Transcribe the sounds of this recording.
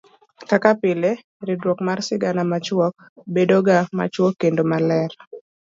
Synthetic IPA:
kakapɪle | ɾɪdwɔkmarsɪɡanamat͡ʃwɔk̚ | bedoɡama̰t͡ʃwɔkːendomalɛr

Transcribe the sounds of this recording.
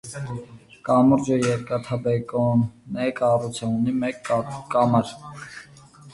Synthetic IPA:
kʼɑmuɾd͡ʒəjɛɾkɑt̪ʰɑbɛkʼɔnɛkʼɑrut͡sʰaunimɛkːkɑmɑɾ

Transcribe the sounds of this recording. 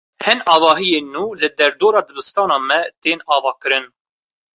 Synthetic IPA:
hɛnɑːvɑːɦijeːnːuːlɨd̪ɛɾd̪oːɾɑːd̪ɨbɨst̪ɑːnɑːmɛt̪eːnɑːvɑːkɨɾɨn

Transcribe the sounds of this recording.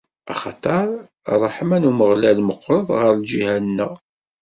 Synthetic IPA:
æ̰χɑt̪ˤɑɾˤ | rˤɑħmænuməʁlælməqːɾˤəðˤʁəɾˤld͡ʒihænnːə

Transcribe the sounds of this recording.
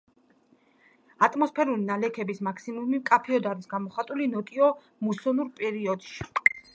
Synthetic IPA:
at̪ʼmɔspʰɛɾulinalɛkʰɛbismakʰsimumimkʼapʰiɔd̪aɾisɡamɔχat̪ʼulinɔt̪ʼiɔ | musɔnuɾpʼɛɾiɔd̪ʃi̥

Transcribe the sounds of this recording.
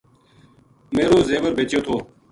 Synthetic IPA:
meːɾoːzeːʋəɾbeːt͡ʃjoːt̪ʰoː

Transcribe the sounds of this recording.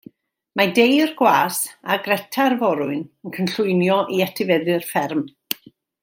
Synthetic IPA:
madejrɡwaːsaɡrɛtʰarvɔɾʊɨnənkʰənɬʊɨnjɔʔiatʰɪvɛðɨrfɛrm

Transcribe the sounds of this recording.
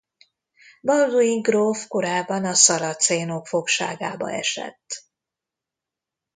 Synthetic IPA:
bɒlluiŋɡrofko̞ɾaːbːɒnɒsɒɾɒt̪seːno̞kfo̞kʃa̰ːɡaːbɒ̰ɛ̰ʃɛ̰t̪ː

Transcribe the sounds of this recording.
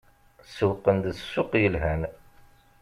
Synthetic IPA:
səwqənd̪sːʊqjəlɦæn

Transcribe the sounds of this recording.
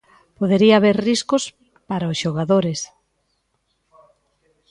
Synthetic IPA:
poðeɾiaːβeɾriskos | paɾaoʊsʃoɣaðoɾes

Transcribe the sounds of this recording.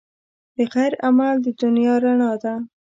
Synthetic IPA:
d̪̥əɣajɾamald̪əd̪ʊnjɑɾaɳɑd̪a

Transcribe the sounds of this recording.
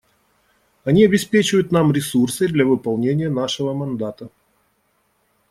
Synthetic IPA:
ɐnʲiɐbʲɪspʲet͡ɕɪvəjʊt̪namɾʲɪsursɨd̪lʲɐvɨpɐlˠnʲenʲɪjənaʂɨvəmɐnd̪at̪ə

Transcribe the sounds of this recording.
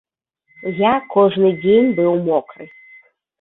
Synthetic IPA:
jakɔʐnɨdʲenʲbɨwmɔkɾɨ

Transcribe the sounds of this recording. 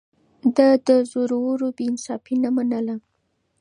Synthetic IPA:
d̪ad̪əzʊɾwəɾobeɪnsɑfinamanəla

